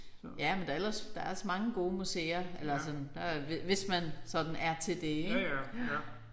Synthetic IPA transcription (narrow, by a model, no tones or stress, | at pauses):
jæmend̥ɑ̈el̰ɐsd̥ɑ̈æɐɒsmɑ̈ŋəɡ̥o̝ːmusḛːɐelɐæs̬ɒ̽dn̩d̥ɑʋeʋe̝smænsɒ̽d̥n̩æɐt͡sʰe̝ld̥e̝eɡ